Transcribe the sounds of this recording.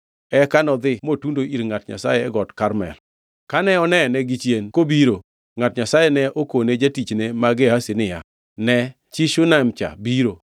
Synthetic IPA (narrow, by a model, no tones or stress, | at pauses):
ɛkanɔd̪ɪmotundoiɾŋatɲa̰sajɛɛɡɔtkaɾmɛ̰l | kanɛɔnɛnɛɡɪt͡ʃjenkobiɾo | ŋatɲasajɛnɛʔokoned͡ʒatit͡ʃnemaɡɪɦasɪnɪja | nɛ | t͡ʃiʃʊnamt͡ʃa̰biɾo